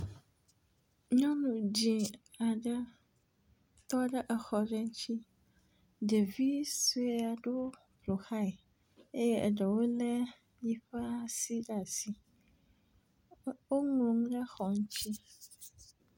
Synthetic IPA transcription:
ɲɔ̃˦nũ˨d͡ʑĩ˨a˨ɖə˦ | t̪ɔ˦ɖə˦ʔɛ˨xɔ˨ɖɛ˦ŋ˦t͡ɕʰi˦ | ɖe˨vi˦su˦e˦a˨ɖo˦ | plo˨xa˦j | e˦je˦ʔɛ̰˨ɖə˨wo˦lɛ˦ | ji˦ɸɛ˦a˦si˦ɖa˨si˨ | wo˦ŋõ˨ŋ˦ɖə˦xɔ˨ŋ˦t͡ɕʰi˦

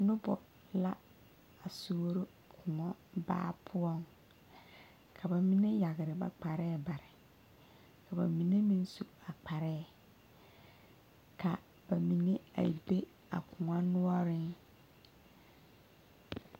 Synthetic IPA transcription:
nʊ̃˦bɔ˨ | la˦ | a˨su˨o˦ɾʊ˦ | kʰʊ˨ŋɔ̃˦ba̰ː˦pʰʊ˦ɔ̃˦ŋ | kʰa˨ba˨mĩ˦nɪ̃˦ja˨ɣɪ˨ɾɪ˨ba̰˨k͡pa˨ɾɛ˦˨ba˨ɾɪ˨ | kʰa˨ba̰˨mĩ˨nẽ˦mĩ˦n˦su˨a˨k͡pʰa˨ɾɛ˦˨ | kʰa˨ | b̥a˨mĩ˨nɪ̃˦a̰˨de˦ | a̰˨kʰʊ˨ŋã˦nʊ̃˦ɔ˦ɾɪ˦n

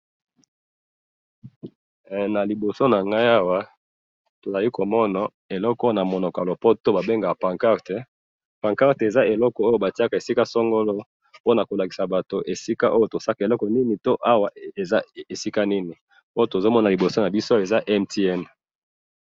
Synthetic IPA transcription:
na˨li˨bo˨so˦na˨ŋɡa˦ja˦wa˦ | to˨za˨li˦ko˨mɔ˦na˨ | e˨lɔ˦kɔ˦na˨mo˨nɔ˨ka˨lo˨po˦to˦ba˨be˦ŋɡa˨a˨pã˨ŋka˦ʁte˨ | pã˨ŋka˦ʁte˨za˦e˨lɔ˦kɔ˨o˦jo˦ba˨ti˦a˦ka˨e˨si˦ka˦sɔ˦ŋɡo˦lo˦ | po˦na˨ko˨la˨ki˨sa˨ba˨to˨ʔe˨si˦ka˦ʔo˦jo˦to˨sa˦ka˨e˨lɔ˦kɔ˨ni˦ni˨to˦ʔa˦wa˨e˨a˦e˨si˦ka˦ni˦ni˨ | o˦jo˦to˨zo˦mɔ˦na˨li˨bo˨so˦na˨bi˦so˦e˨za˦ʔɛ˦mtʰi˦ɛ˦n

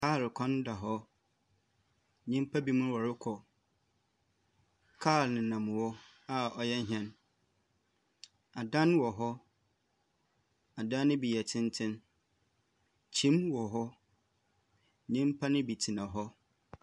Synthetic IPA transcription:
kaː˦˨lkʰɔ̃˦n˦da˨ɦɔ˦ | ɲĩ˦m˦pʰa˦bi˦mʊ̃˦wɔ˨ɾɪ˦kʰɔ˨ | kʰaː˦˨lnɪ̃˨nã˨m˨wɔ˦ | a˦ɔ˨jɛ˦ɲ˦ɦɛ̃˨n | a˨dã˦n˦wɔ˨ɦɔ˦ | a˨dã˦nɪ̃˦bi˨jɛ˨tʰɪ̃˦n˦tʰɪ̃˦n | t͡ɕʰĩ˦mwɔ˨ɦɔ˦ | ɲĩ˦m˦pʰa˦nɪ̃˦bi˨tʰi˨nã˨ɦɔ˦

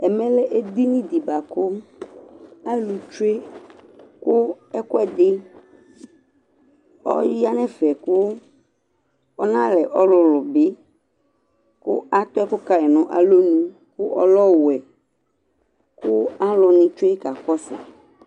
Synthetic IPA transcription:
ɛ˨mɛ̃˦lɛ˦ʔe˦d̪i˦nĩ˦d̪i˨ba˨kʊ˦ | a˦lu˨t͡ʃʊ˦e˦ | kʊ˦ɛ˦kʊ˦ɛ˦d̪ɪ˦ | ɔ̰˦ja˦nɛ̃˦fɛ˨kʊ˦ | ɔ˦nã˦lɛ˨ʔɔ˦lʊ˨lʊ˨bɪ˦ | kʊ̰˦a˦t̪ɔ˦ɛ˦kʊ˦ka˨ɛ˨nʊ̃˨ʔa̰˨lo˦nĩ˦ | kʊ˦ʔɔ̰˦lɔ˦wɛ˨ | kʊ˦a˦lʊ˨nĩ˦t͡ʃo˦e˦ka˨kɔ˦sɪ̰˨

